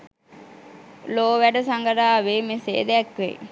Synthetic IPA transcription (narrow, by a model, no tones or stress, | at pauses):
loːʋæɖəsaŋɡəɾaːʋeːmesḛːd̪eɛkʋḛ